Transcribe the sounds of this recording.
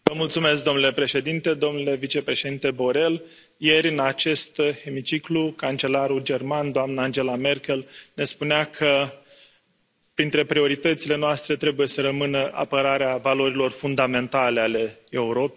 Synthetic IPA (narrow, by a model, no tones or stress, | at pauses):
vəmult̪sume̞sk̚d̪o̞nule̞pɾe̞ʃe̞d̪int̪e̞d̪o̞mnule̞vit͡ʃe̞pɾe̞ʃe̞d̪int̪e̞bo̞ɾe̞l | je̞ɾʲɨnat͡ʃe̞st̪e̞mit͡ʃiklukant͡ʃe̞laɾuld͡ʒe̞rmand̪oamnəand͡ʒe̞lame̞rkʲe̞lne̞spuneakʰə | pɾint̪ɾe̞pɾio̞ɾit̪ət̪sile̞noast̪ɾe̞t̪ɾe̞buje̞səɾəmɨnəʔa̰pəɾaɾeavalo̞ɾilo̞rfund̪ame̞nt̪ale̞ale̞e̞uɾo̞pe